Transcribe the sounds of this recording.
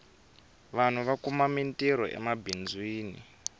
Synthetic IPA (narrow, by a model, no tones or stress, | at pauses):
ʋan̤uʋakumamintʼiɾɔ̰ʔɛ̰mabind͡zwiːnḭ